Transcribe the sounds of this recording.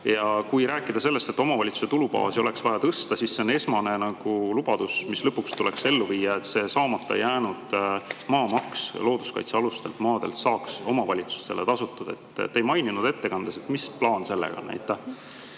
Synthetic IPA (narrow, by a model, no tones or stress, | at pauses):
jɑkujɾæːkːˑid̪̥ɑse̞lːe̞st̪e̞t̪ːˑo̞mɑvɑlʲit̪su̥se̞t̪ulupɑ̰ːsio̞le̞ksvɑjɑt̪ɤst̪ɑsisːeone̞smɑne̞nɑɡ̥ulub̥ɑd̪̥usmislɤpːˑukst̪ulekse̞lːuviːjːɑe̞t̪se̞ːsɑːmɑt̪ːˑɑejːæːnud̪̥mɑːmɑkslo̞ːd̪uskɑ̰jt̪seɑlust̪e̞lt̪mɑːd̪e̞lt̪sɑːkso̞mɑvɑlʲit̪su̥st̪e̞let̪ɑsut̪ːˑud̪̥e̞̰t̪ːejmɑjninud̪̥e̞t̪ːe̞kɑnd̪̥ese̞t̪misplɑːnse̞lːḛɡ̥ɑ̰nːæ̰jt̪ːˑɑ